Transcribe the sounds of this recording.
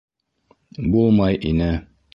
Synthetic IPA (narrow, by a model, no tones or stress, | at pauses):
bulˠmɑjʔinɘ